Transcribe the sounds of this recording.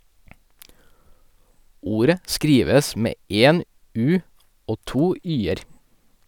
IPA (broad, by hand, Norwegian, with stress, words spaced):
ˈuːɾə ˈskɾiːʋəs ˈmeː ˈeːn ˈʉː ˈoː ˈtuː ˈyːəɾ